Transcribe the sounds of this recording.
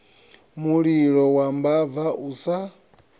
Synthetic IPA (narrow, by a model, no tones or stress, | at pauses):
muɺiɺɔwambavaʔusa